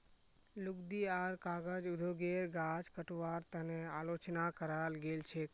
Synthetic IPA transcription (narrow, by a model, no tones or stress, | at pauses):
lʊkd̪iaːɾkaːɡəd͡ʒʊd̪ʱoɡeɾɡaːd͡ʒkəʈuʋaːɾt̪əneaːloːt͡ʃnakəɾalɡelt͡ʃʰek